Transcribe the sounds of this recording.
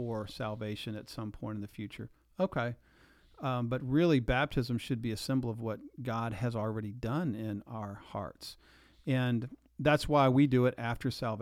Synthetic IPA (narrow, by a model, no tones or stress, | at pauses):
ə˞sælˠveɪʃɨ̃nɨtsʌ̃mpʰɔ̃ɪ̃ɾ̃n̩ðɨfjʉt͡ʃə̰˞ | oʊkʰeɪ | bʌt̚ɹɪlˠibæp̚tʰɨzɨ̃mʃɨd̚biɨsɪ̃mbl̩ˠʌvwʌt̚ɡ̥ɑd̚ɨzl̩ˠɹɛɾidʌ̃nɪ̃naʊə˞hɑ̰ɹts | ɨ̃n | ðætswaɪwidɨɪɾʔæftʰə˞sælˠv